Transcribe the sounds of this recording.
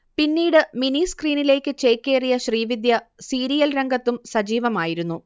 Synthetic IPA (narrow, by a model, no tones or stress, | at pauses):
pinːiːɽɨminiskriːnile̞ːkːɨt͡ɕe̞ːkːe̞ːrijɐɕriːʋid̪ʱjɐsiːɾijɐlɾɐŋɡɐt̪ːumsɐd͡ʑiːʋɐmaːjiɾunːu